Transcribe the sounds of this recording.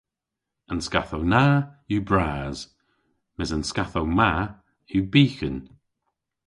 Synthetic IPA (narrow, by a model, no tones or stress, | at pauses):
ənska̰θownaːjubɹaːz̥ | mɪzənskaθowma | jubiːxən